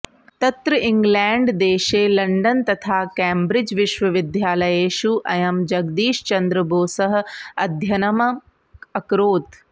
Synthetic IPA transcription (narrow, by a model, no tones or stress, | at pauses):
t̪ɐt̪ɾɐɪŋɡlɛ̃ːɳɖd̪eːʃeːlɐɳɖɐnt̪ɐt̪ʰaːkeːmbɾɪd͡ʒʋɪʃʋɐʋɪd̪ʱjaːlɐjeːʃuʔɐjɐmd͡ʒɐɡd̪iːʃt͡ʃɐnd̪ɾəbʱoːsɐɦ̆ɐd̪ʱjɐnɐmɐ | ɐkɾoːt̪